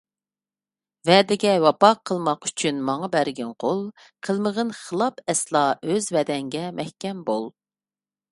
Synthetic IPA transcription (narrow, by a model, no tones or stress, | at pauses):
vɛd̪ɪɡʲɛwɑpɑqʰːəlˠmɑqy̥t͡ʃʰynmɑŋɑbæɾɡʲɛnqʰolˠ | qʰəlˠməʁənχəlˠɑpʰɛslˠɑøzvɛd̪ɛŋɡʲɛmʔɛhkʲɛmbolˠ